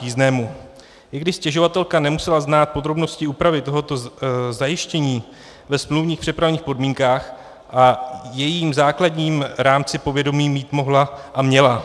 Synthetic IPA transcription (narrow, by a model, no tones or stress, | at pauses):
iːznɛːmu | ɪɡdɪʃscɛʒo̞vat̪ɛlkanɛmusɛlaznaːt̪̚po̞d̪ɾo̞bno̞scɪuːpɾavɪt̪o̞ɦo̞t̪o̞zajɪʃcɛɲiː | vɛsmluvɲiːxpr̝̥ɛpɾavɲiːxpo̞dmiːŋkaːx | ʔajɛjiːmzaːkladɲiːmɾaːmt͡sɪpo̞vjɛdo̞miːmiːt̪mo̞ɦlaʔamɲɛla